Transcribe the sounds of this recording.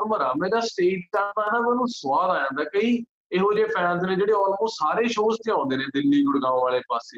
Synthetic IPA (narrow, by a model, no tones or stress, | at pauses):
məɾaːmeːɾaːsʈeːʈ̚taːt̪aːɦɛnaːmɛ̃ːnũːsʊʋaːd̪aːjãːd̪aːkəiː | eɦoːd͡ʒeːpʰɛːnznẽːd͡ʒeːɽeːɔːlkõːsaːɾeːʃoːst̪ɪ̃ãːnd̪eːnẽːd̪ɪlːiːɡʊɽɡãːõːʋaːleːpaːseː